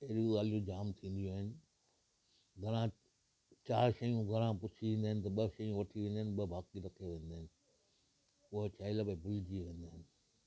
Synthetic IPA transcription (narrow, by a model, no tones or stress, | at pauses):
eɗuɡaːlijũd͡ʑaːmt̪ʰĩːn̆d̪ijuaːɦɪnɪ̆ | ɡʱɐɾ̃ã | t͡ɕaːɾʃɐjũɡʱɐɾ̃ãpʊt͡ʃʰiʋẽnd̪aɦɪnɪ̆t̪̬ɐɓɐʃɐjũʋɐʈʰiʋẽːnd̪aɦɪnɓɐbaːkiɾɐkʰijoʋẽːnd̪aːɦɪnɪ̆ | ʊɦt͡ɕaːɪləbɐbʊlɪd͡ʑiʋẽːnd̪aːɦɪnɪ̆